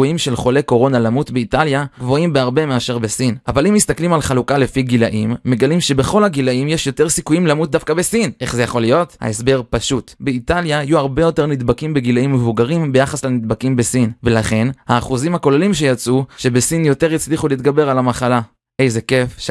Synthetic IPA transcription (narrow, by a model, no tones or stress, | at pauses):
uimʃe̞lχo̞le̞ko̞ʁo̞nalamutbeitaljaɡvo̞imbeaʁbe̞meaʃe̞ʁbesinavalimist̪aklimalχalukale̞fiɡilaʔimːe̞ɡalimʃe̞beχo̞lhaɡilaimjeʃjo̞te̞ʁsikujimlamut̚dafkabesine̞χzejaχo̞lijo̞tha̰e̞sbe̞ʁpaʃutbeitaljaajuaʁbe̞jo̞te̞ʁnid̪bakimbe̞ɡilaimːevuɡaʁimbe̞jaχaslanid̪̚bakimbe̞sinve̞laχe̞nhaːχuzimhako̞lelimʃe̞jat͡suʃe̞besinjo̞te̞ʁit͡sliχuliːt̪ɡabe̞ʁalamaχala | ʔejze̞ke̞f